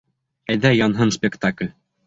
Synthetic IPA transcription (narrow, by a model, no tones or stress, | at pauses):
æjðæjɑnɦɤnspʲɪkt̪aklʲ